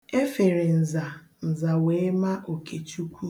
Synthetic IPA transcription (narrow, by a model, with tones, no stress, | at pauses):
e˦fe˨ɾe˨n̩˨za˨ | n̩˨za˨we˨˦ma˦ʔo˨kʰe˨t͡ʃu˦kʷu˦